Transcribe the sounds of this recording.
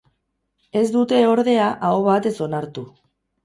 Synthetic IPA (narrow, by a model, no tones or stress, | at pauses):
e̞zd̪ut̪e̞o̞ɾðe̞aʔaoβat̪e̞so̞naɾt̪u